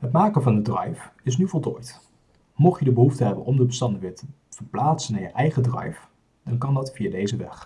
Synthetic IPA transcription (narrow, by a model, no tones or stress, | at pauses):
ɦətmaːkənvɑndədrɛ̰jfɪs̬nyvɔlˠtɔjt | mɔχjədəbəɦuftəɦɛbə̰nʔɔmdəbəstɑndəʋɪːɹtə | v̥əɹplaːtsənaːɹjəʔɛjχədrɛ̰jf | d̥ɑnkɑndɑtfijaːdejzəʋɛ̰χ